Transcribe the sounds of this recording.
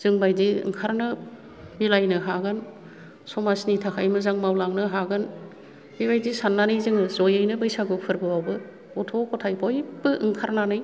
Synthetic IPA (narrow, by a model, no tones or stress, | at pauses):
z̥ɯŋbajdiɯ̰ŋkʰaɾnɯ | bilajnɯɦaɡɯn | sɔmasnitʰakʰajmɯzaŋmawlaŋnɯɦaɡɯn | bibajdisanːanɯjzɯŋɯzojɯjnɯbɯjsaɡɯpʰɯɾbɯwawbɯ | ɔtʰɔkɔtʰajbʰɔjbɯʔɯŋkʰaɾnanɯj